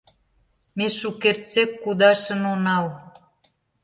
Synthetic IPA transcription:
meʃukert͡sekːud̪ɑʃə̆nonɑl

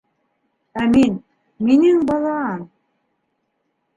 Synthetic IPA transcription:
æmin | minɘŋbɑlˠɑɑn

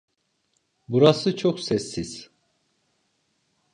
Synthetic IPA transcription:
buɾasɯt͡ʃʰoksɛsːiz̥

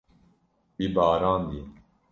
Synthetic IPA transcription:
bibaːɾaːnd̪i

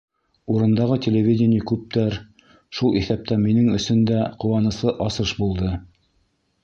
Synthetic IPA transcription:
uɾɤ̆nd̪ɑʁɤt̪ʲelʲevʲidʲɪnʲikʉp̚t̪æɾ | ʃulˠiθæp̚t̪æminɘŋɵ̆sɵnd̪æqŏwɑnɤ̆sɤʔɑsɤʃbulˠd̪ɤ

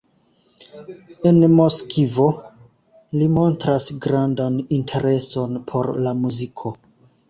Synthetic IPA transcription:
e̞nmo̞skʰivo̞ | limo̞ntɾasɡɾandanintʰe̞ɾe̞so̞npʰo̞ɾlamuzikʰo̞

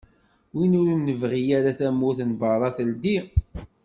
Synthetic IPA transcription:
winʊɾːəvʁijæɾaθæmːuθnbəɾˤɑθəld̪i

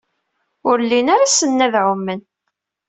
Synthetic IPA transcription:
ʊɾlːinaɾasənːæðʕʊmːən

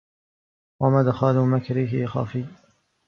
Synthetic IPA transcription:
wamaːd̪axaːluːmakɾɪɦɪxa̰ːfiː

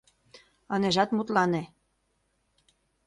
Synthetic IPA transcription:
ɑneʒɑt̪mut̪lɑne

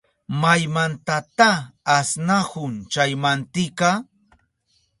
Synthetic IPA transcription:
majmant̪at̪aːsnahʊnt͡ʃajmant̪ɪka

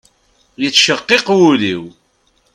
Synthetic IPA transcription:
jət͡sːʃəqːiqwulḭw

